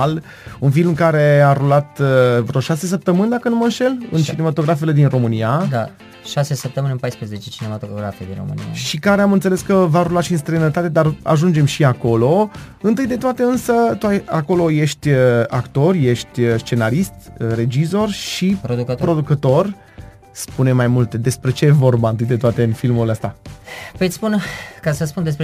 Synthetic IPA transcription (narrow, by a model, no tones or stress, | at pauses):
l | unfilmɨkaɾe̞aɾulat̪vɾoʃase̞s̬əp̚t̪əmɨnd̪akənuməɨnʃe̞lɨ̰nt͡ʃine̞mat̪o̞ɡɾafele̞d̪inro̞mɨniad̪a | ʃasesəp̚t̪əmɨnʲpajspɾəzet͡ʃet͡ʃinemat̪ooɡɾafed̪ḭnromɨ̰nḭa̰ʃikaɾe̞amɨnt̪sele̞skəvaɾulatʃiɨns̬t̪ɾenət̪at̪e̞d̪ara̰ʒund͡ʒe̞mʃiako̞lo̞ | ɨnt̪ɨjd̪e̞t̪oat̪e̞ɨnsət̪uajako̞lo̞je̞ʃt̪ʲakt̪o̞rʲje̞ʃt̪ʲst͡ʃe̞naɾist̪re̞d͡ʒizo̞rʃipɾod̪ukət̪pɾo̞d̪ukət̪o̞r | spune̞majmult̪e̞d̪e̞spɾe̞t͡ʃe̞jevo̞rbaɨnt̪ɨjd̪e̞t̪oat̪e̞ɨnfilmuleəst̪apəjspunkasəspund̪es̬pɾe